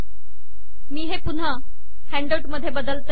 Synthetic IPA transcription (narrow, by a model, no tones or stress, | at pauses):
miːɦepun̤ə | hæɳɖawʈməd̪ʱːjebəd̪əlt̪